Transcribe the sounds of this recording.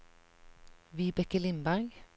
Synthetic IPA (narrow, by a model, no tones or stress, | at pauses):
ʋiːbɛkəlɪmbæʁɡ